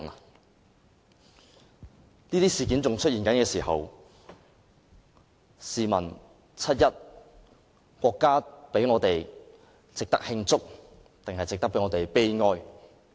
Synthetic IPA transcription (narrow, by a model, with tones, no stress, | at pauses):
niː˥t̪iː˥siː˨kiː˨˥nt͡sʊ˨ŋt͡ʃʰɵ˥t̚jiː˨˩nkɐ˨˥nkɛː˧siː˨˩ɦɐ̰˨w | siː˨mɐ̰˨˩n | t͡sʰɐ˥t̚jɐ˥t̚ | kʷɔː˧kːaː˥pe˨˥jŋɔː˨˧t̪e˨j | t͡sɪ˨k̚t̪ɐ̰˥k̚hɪ˧ŋt͡sʊ˥k̚ | t̪ɪ˨ŋhɐ˨jt͡sɪ˨k̚t̪ɐ˥pe˨˥jŋɔː˨˧t̪e˨jpe˥jŋɔː˧j